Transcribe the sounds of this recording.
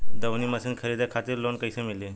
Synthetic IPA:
d̪əʋniːməsəːnkʰəɾid̪akʰat̪iːɾlonkəjsəmile

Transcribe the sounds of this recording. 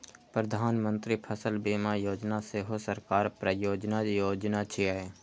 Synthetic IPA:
pɾəd̪ʱaːnmə̃nt̪ɾipʰəsəlbeːmajoːd͡ʒnaseɦosəɾkaːɾpɾəjoːd͡ʒnajoːd͡ʒnat͡ʃʰiɛ

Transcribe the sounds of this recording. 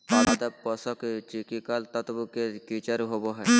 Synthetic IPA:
palad̪əpɔsɔkt͡ʃikikalt̪ət̪bukːekit͡ʃəɾɦoboɦɛː

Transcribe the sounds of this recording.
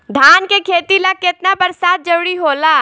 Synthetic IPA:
d̪ʱaːnkekʰeːt̪ilɐkːɪt̪nabɐɾsaːt̪̚d͡ʒɐɾɽiɦoːlaː

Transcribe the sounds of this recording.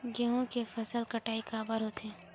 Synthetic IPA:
ɡeːɦõkefɐsəlkɐʈaːikaːbəɾɦot̪eː

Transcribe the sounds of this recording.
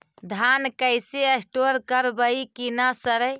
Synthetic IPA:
d̪ʱankəjseesʈoɾkəɾbəikinasəɾə

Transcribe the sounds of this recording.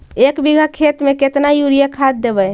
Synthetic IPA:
ekbiɡʱakʰet̪meket̪najuɾijakʰad̪ːebəj

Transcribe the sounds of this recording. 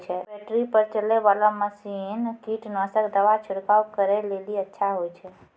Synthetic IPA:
t͡ʃʰɛbɛʈɾipəɾt͡ʃəlebalaməsinkiʈnasəkd̪əʋat͡ʃʰʊɽkaukəɾɛleliətːʃʰaɦojt͡ʃʰɛ

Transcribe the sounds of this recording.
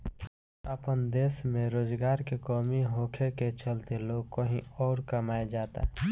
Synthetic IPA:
əpənd̪eːsmẽɾoːd͡ʒɡaːɾkekɔːmiɦoːkʰeket͡ʃəlt̪eloːɡkəɦĩɔːɾkəmaːed͡ʒaːt̪a̰

